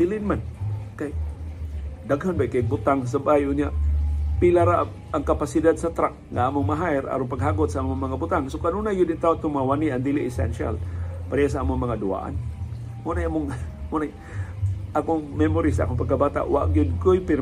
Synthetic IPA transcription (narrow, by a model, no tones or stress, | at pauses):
ilɪnmankaj | d̪aɡɦanbajkabʊt̪aŋs̬abajʊnjaʔpilaɾa | aŋkapasidad̪sat̪ɾak̚ŋaamʊŋmaɦajɾa̰ɾʊŋpaɡɦaɡʊt̪saʔamʊŋmaŋabʊt̪aŋsokanunajʊd̪ɪnt̪aot̪ʊŋmawaniand̪iliʔːsɛ̰nʃa̰lpaɾias̬aamʊŋmaŋadʊa̰ʔa̰n | munajamʊŋ | munaj | ʔakʊŋmɛmoɾisaʔa̰kʊŋpaɡ̚kːabat̪a̰ʔwa̰ʔɡiʊd̪̚kʊjpɪr